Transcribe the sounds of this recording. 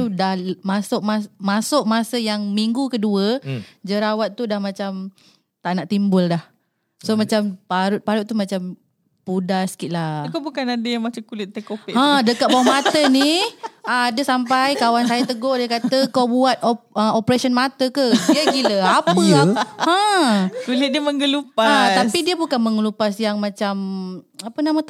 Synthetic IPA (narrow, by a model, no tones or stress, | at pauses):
t̪udahmasʊʔ̚masmasʊʔ̚masəjaŋmiŋɡukəduəd͡ʒəɾawat̪̚ːudahmãt͡ʃam | t̪aʔnaʔt̪imbʊldah | somãt͡ʃampaɾʊt̪̚paɾʊt̪̚t̪ːumat͡ʃam | pudasə̥kiʔ̪lakobukanadəjaŋmat͡ʃamkulɪt̪̚ːekopɪʔãdəkaʔ̪̚bawamat̪əniəadəsampajkawansajat̪əɡoʔdikat̪əkawbuat̪̚oəopɾasiənmat̪əkədiaɡiləapəə̃kulɪt̪̚diməŋɡəlupaat̪apidiəbukanməŋəlupasjaŋmãt͡ʃamapənamə